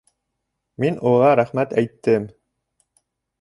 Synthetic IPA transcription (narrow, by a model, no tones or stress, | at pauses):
minʔuʁɑɾæχmæt̪æjt̪ːɘm